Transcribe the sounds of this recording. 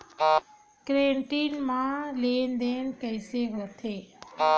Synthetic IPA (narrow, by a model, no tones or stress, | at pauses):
kɾeːɳʈiːnmãːleːnd̪eːnkəɪseːɦot̪ʰeː